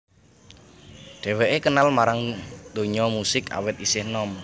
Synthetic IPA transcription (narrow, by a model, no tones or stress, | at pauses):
ɖ̥ɛ̤weʔekənalmaɾaŋd̪̥oɲɔmusɪka̰wɪt̪̚isɪhnɔm